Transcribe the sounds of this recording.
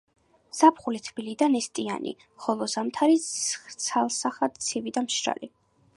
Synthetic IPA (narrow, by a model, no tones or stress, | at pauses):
z̥apʰχulit̪ʰbilid̪anɛst̪ʼia̰nʔḭ | χɔlˠɔzamt̪ʰaɾit̪sʰalˠsaχad̪t̪sʰivid̪amʃɾa̰li